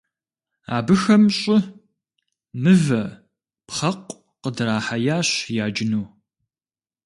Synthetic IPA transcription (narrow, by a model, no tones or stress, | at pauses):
a̰ːbɨxɐmɕʼɪ | mɨvɐ | pχɐqʷʼ | qədɨɾaːħajaːɕjaːd͡ʒɪnuː